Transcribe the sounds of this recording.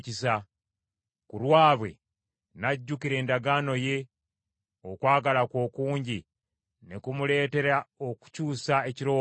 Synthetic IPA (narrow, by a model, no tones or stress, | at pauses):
cisa | kuɾwaːβwe̞̰ | naɟːukiɾe̞ːndaɡano̞je̞ | okwaːɡalakwo̞ːkuːɲɟi | nekumule̞ːte̞ɾaoku̥cuːsae̞ciɾo